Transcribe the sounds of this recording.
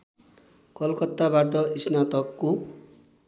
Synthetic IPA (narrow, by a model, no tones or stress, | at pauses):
kʌlkʌt̪ːabaʈʌisnat̪ʌkːo